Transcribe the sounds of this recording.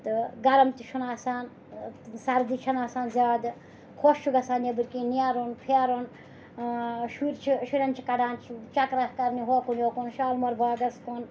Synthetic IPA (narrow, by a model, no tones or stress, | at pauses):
t̪ɨɡɐɾɐmt̪iʃʰunaːsaːn | sɐɾd̪it͡ʃʰɐnaːsaːnzʲaːd̪ | kʰost͡ʃʰuɡɐsaːnjebɨɾkinjaːɾonpʰeɾon | ʃuɾt͡ʃʰiʃuɾʲɐnt͡ʃʰikɐɖaːnt͡ʃʰit͡ʃɐkɾahkɐɾniɦokonjoːkonʃaːlmɐɾbʱaːɡɐskon